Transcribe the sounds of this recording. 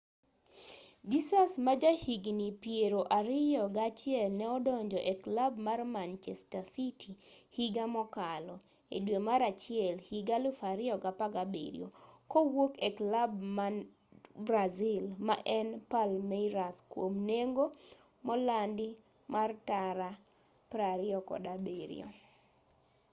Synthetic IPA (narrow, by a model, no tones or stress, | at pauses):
d͡ʒisasmad͡ʒahiɡnipjeɾoʔaɾɪjɔɡat͡ʃɪɛlnɛɔdɔɲd͡ʒɔʔɛklabmarmant͡ʃɛstasitʰihiɡamɔkalɔ | ḛdwemaɾat͡ʃɪɛlhiɡalʊfaɾɪjɔɡapaɡabḛɾḭo̰kowokɛklabm | bɾazilmaʔɛnpalmɛɾaskwomneŋɡo | mɔlandɪ | martaɾa | pɾaɾɪɔkɔ̰dabeɾḭo̰